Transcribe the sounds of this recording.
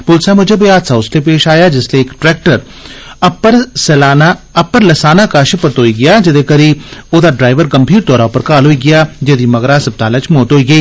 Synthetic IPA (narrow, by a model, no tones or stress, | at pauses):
pʊlsamʊd͡ʒʱebɐjaːt̪saʊslepeːʃaːjad͡ʒɪsleːkʈɾɛːk̚ʈəɾ | ɐpːəɾsɛːlaːnaɐpːəɾlɐsaːnakaːʃəpɐɾt̪oːiɡɐjad͡ʒɐd̪ekɐɾioːd̪aɖɾaːɪʋəɾɡɐmbʱiːɾt̪ɔːɾaʊpəɾkaːlɦoːiɡɐjad͡ʒɐd̪imɐɡɾasɐb̚t̪aːlət͡ʃmoːt̪ɦoːiɡɐiː